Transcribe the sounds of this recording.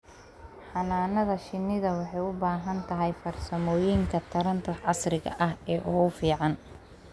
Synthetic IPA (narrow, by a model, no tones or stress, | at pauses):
ħɑnaːnɐðɐʃɪnːɪðɐwɑħɑjʊbaːɦɐnt̪ʰɐɦɛjfɐrsɐmɔːjiːŋkʰɐt̪ʰɐɾɐnt̪ʰɐʕɑsrɪɣɐ̰ʔɐhɛːʔɔʊfiːʕɑn